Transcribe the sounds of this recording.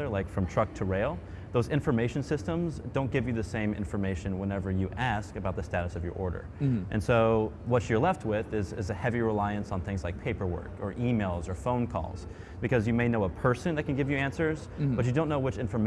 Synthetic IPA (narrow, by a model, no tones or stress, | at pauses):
ə˞laɪkfɹʌ̃mtʰɹ̥ʌk̚tʰəɹeɪlˠ | ðoʊzɪ̃ɱfə˞meɪʃɨ̃n̩sɪstə̃mzdõʊ̃nɡ̥ɪvjɨðɨsẽɪ̃mɪ̰̃ɱfə˞meɪʃɨ̃nwə̃nɛvə˞jɨʔæskɨbaʊt̪̚ðɨstæɾɨsʌvjə̰˞ʔɔɹɾə̰˞ʔɨ̰̃nsoʊwʌt͡ʃə˞lɛft̚wɪðɪzɪ̰zɨhɛviɹɪlaɪɨ̃nsn̩θɪ̃ŋzlaɪk̚pʰeɪpə˞wɜ̰˞kə˞ʔimeɪlˠzə˞fõʊ̃nkʰɔ̰lˠz̥ | b̥ɨkʌzjɨmeɪnoʊəpʰɜ˞sɨ̃nðɨt̚kn̩ɡɪvjɨæ̃nsə˞z̥ | b̥ʌt͡ʃɨdõʊ̃nːoʊwɨt͡ʃɪ̃ɱfə˞m